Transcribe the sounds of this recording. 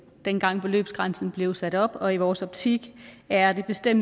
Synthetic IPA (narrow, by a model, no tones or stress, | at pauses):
d̥enɡ̥ɑ̈ŋ̰b̥e̝lø̰ːb̥sɡ̥ʁɑ̈nsn̩b̥le̝ʊsæɾ̥ɒ̽b̥ɒ̽iʋɒːsɒ̽b̥̚t͡sʰiɡ̥æɐd̥e̝b̥e̝sd̥em̰